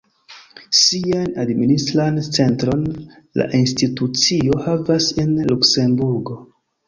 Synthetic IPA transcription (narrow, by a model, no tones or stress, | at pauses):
sianadministɾant͡se̞ntɾo̞n | la̰ʔinstitut͡sio̞havase̞nlukse̞mbuɾɡo̞